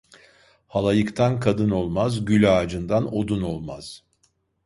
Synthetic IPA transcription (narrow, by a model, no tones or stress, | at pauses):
halˠajɯkt̪ʰankʰad̪ɯno̞lˠmazɟylʲaːd͡ʒɯnd̪ano̞d̪uno̞lˠmaz̥